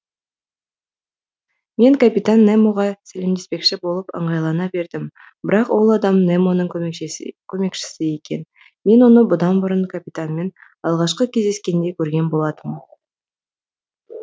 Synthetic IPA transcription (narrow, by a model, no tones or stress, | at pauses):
me̞ŋkʰapit̪anːemo̞ʁɑsæle̞md̪espe̞kʃɪbo̞lˠəpə̰ɴʁɑjlˠɑnɑbe̞ɾd̪ɪm | bɪɾɑqwo̞lˠɑd̪ɑmnemo̞nəɴ | kʲʰɵme̞kʃɪ̥sɪje̞kʲe̞n | me̞nwo̞nəbʊd̪ɑnbʊɾənkʰapʲit̪anme̞n | ɑlˠʁɑʃqəkʲʰezd̪e̞skʲe̞nd̪e̞kʲʰɵɾɡʲe̞nbo̞lˠɑd̪əm